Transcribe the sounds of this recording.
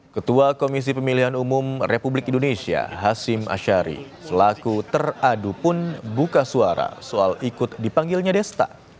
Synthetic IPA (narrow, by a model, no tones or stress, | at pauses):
kət̪uakomis̬ipəmiliɦanumʊmrepublɪkindonesia̰ɦasɪma̰ʃaɾḭsəlakut̪əradupʊnbukasuaɾa̰soalikʊt̪̚dipaŋɡɪlɲadɛst̪a̰